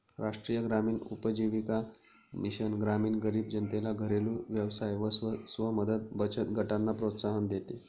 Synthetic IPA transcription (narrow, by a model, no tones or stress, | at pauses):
ɾaʂʈɾiːjəɡɾamiːnupəd͡ʑiʋika | miɕənɡɾamiːnɡəɾiːbd͡ʑənt̪elaɡʱəɾelũːʋjəʋsajʋəsʋəməd̪ʱət̪̚bət͡ɕət̪ɡʱəʈanːapɾot̪saɦənd̪et̪e